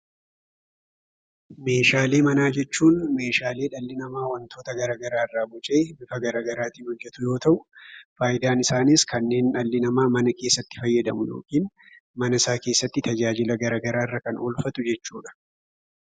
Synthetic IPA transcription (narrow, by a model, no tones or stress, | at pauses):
me̞ːʃaːle̞ːmɐnaːd͡ʒɛt͡ʃːuːnme̞ːʃaːle̞ːᶑɐlːɪnɐmaːwɐnt̪ʰo̞ːt̪ɐɡɐɾaːɡɐɾaːɪrːaːbʊt͡ʃʼe̞ːbɪfɐɡɐɾaːɡɐɾaːt̪iːnhɔjːɛt̪ʊjo̞ːt̪ɐʔʊfaːjɪd̪aːnɪsaːnɪskɐnːe̞ːnᶑɐlːɪnɐmaːmɐnɐke̞ːsːɐt̪ːɪ̥fɐjːɐd̪ɐmʊjo̰ːkiːn | mɐnɐɪsaːke̞ːsːɐt̪ːɪt̪ɐd͡ʒaːd͡ʒɪlɐɡɐɾaːɡɐɾaːɪrːɐkɐnoːlfɐt̪ʊd͡ʒɛt͡ʃːuːᶑɐ̥